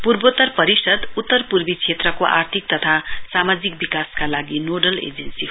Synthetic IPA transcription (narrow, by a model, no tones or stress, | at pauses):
purbot̪ʌrpʌɾisʌd̪ut̪ːʌrpurbit͡sʰet̪rʌkoʔa̰rt̪ʰik̚t̪ʌt̪ʰasamad͡zik̚bikaskalaɡinoɖʌlḛd͡zensiɦo